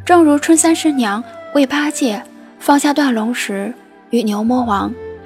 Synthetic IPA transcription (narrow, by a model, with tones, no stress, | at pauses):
ʈ͡ʂɤ˥˧˩ŋɻu˧˥ʈ͡ʂʰwə˥nsa˥nʂɻ̩˧˥njɑ˧˥ŋwe˥˩ɪpʰa˥t͡ɕjɛ˥˩ | fɑ˥˧ŋɕja˥˧t̪wa˥˩nlʊ˧˥ŋʂɻ̩˧˥ | y˨˧˩njo˧˥ʊmwɔ˥xwɑ˧˥ŋ